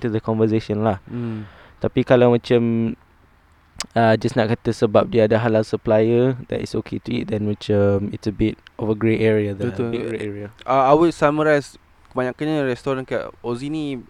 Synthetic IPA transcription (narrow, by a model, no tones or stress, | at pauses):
nt̪udəkɔ̃nvəseʃə̃nlah | t̪apikalamə̃t͡ʃə̃m | ad͡ʒasnɔʔ̚kat̪əsəbap̚diadaɦalalsəplajəd̪ɛ̰tḭsokʰetuḭt̚d̪ɛ̃nmət͡ʃəmitsəbit̚ɔfəɡɹetɛɹiadɛeʔɛɹiaaawutsaməɾajs | kəbaɲãkãnɲaɾɛst̪ɔɾãnkaʔozini